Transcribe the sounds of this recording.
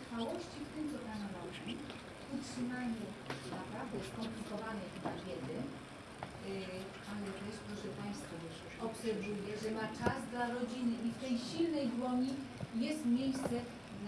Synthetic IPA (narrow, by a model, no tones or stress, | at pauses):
fawɔɕt͡ɕift̪ɪmt̪sɔp̪anamɔɕmʲi | utʂɘmaɲɛ | napɾavd̪ɛskɔmplʲikɔvanɛxɘbavʲjɛd̪ɛn | alɛt̪ɛskt̪uʐɛpaj̃st̪fɔ | ɔpsɛɾvujɛʐɛmat͡ʂazd̪laɾɔd͡ʑinɘʔift̪ɛjɕilnɛjd̪wɔɲʲijɛst̪mʲjejst̪sɛ | d̪